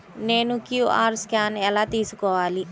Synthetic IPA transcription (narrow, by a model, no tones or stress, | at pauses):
neːnukjuʔa̰ːɾskʲaːnelat̪iːsukɔʋaːli